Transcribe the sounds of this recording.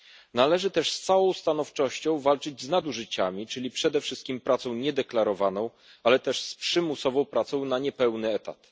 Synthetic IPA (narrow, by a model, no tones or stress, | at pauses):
nalɛʐɘt̪ɛʂst̪sawɔ̃w̃st̪anɔft͡ʂɔɕt͡ɕɔ̃w̃valt͡ʂɘd͡ʑznad̪uʐɘt͡ɕamʲit͡ʂɘlʲipʂɛd̪ɛfʂɘst̪̚kʲimpɾʔat̪sɔ̃w̃ɲɛd̪ɛklaɾɔvanɔ̃w̃ | alɛt̪ɛʂspʂɘmusɔvɔ̃w̃pɾat̪sɔ̃w̃naɲɛpɛwnɘɛt̪a̰t̪